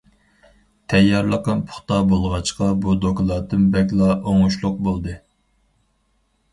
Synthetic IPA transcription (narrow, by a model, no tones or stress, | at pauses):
t̪ʰɛjːɑɾlˠəqɑnpʰʊ̥χt̪ɑbolˠʁɑt͡ʃqɑbud̪oklˠɑd̪ɨnbɛkʲlˠɑʔoŋuʃlˠʊq̚bolˠd̪ɨ